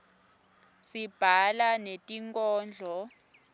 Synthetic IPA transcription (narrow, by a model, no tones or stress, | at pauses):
sib̥ʱalanetʼiŋkʼɔːnd͡ɮʱɔ